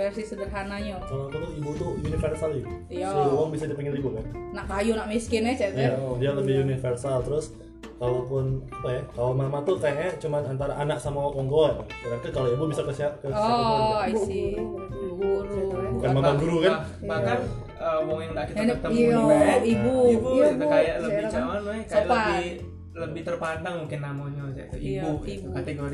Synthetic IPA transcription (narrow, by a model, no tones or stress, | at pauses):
fɛrsisəbərɦanaɲakaloak̪ut̪uibut̪ʊjunifərsali | suɾuuaŋbisadipɛŋɪnibukannaʔkajunaʔmiskɪnat͡ʃaijadialəbɪhunifərsalt̪əɾʊs | kalopʊnapajakalomamat̪ukajakɲat͡ʃumanant̪aɾaʔanak̚samawakɔŋɡɔrkaɾak̪akaloibubisakəsiap̚kan | ɡuɾubukanmamaɡuɾukan | baakan | əmɔŋjaŋdaʔkitakt̪auaibuibubukajaʔləbɪt͡ʃamanpakaləbɪh | ləbɪht̪ərpandaŋmuŋkɪnːamaɲosa̰t̪uibukat̪eɡoɾi